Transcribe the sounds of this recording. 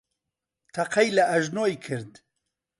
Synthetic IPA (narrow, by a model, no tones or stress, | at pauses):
t̪ʰɐqʰɛjlɐʔɐʒnoːjkʰɨɾd̪